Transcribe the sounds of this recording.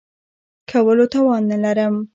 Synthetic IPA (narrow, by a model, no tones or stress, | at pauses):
kʰawəlot̪ɑwɑnːalaɾəm